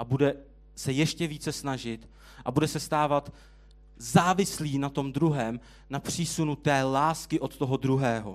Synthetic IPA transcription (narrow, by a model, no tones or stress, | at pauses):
ʔabudɛ | sɛjɛʃcɛviːt͡sɛsnaʒɪt̪ | ʔabudɛsɛst̪aːvat̪ | zaːvɪsliːnat̪o̞md̪ɾuɦɛːm | napr̝̥iːsunut̪ɛːlaːskɪʔo̞t̪t̪o̞ɦo̞d̪ɾuɦɛːɦo̰